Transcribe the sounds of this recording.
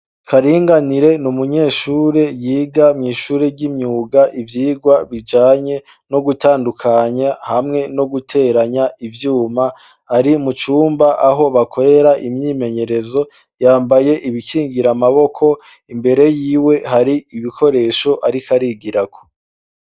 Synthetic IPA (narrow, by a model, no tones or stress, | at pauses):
kʰaɾiːŋɡaniɾe̞numuɲe̞ːʃuːɾe̞jiːɡamŋiːʃuːɾeɟimɲuːɡaʔivjiːɡwaβid͡ʒaːɲe̞ | no̞ɡutaːndukʰaɲahamŋe̞no̞ɡutʰe̞ːɾaɲaʔivjuːmaː | ɾimut͡ʃuːmbaʔaɦo̞βakʰo̞ɾe̞ɾaʔimɲiːme̞ɲe̞ɾe̞zo̞ | jaːmbaje̞ʔiβikiːŋɡiɾamaβo̞kʰo̞ | imbe̞ɾe̞jiːwe̞haɾiiβikʰo̞ɾe̞ːʃo̞ʔaɾikaɾiɡiɾakʰo̥